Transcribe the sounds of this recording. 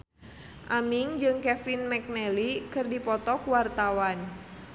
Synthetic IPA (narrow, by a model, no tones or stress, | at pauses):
ʔamiŋd͡ʒɨŋkɛfinmɛk̚nɛlikɨrdipɔt̪ɔkwart̪awan